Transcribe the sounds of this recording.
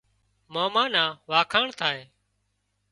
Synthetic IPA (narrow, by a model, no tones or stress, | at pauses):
moːmaːnãːʋaːkʰaːɳt̪ʰaːɦeː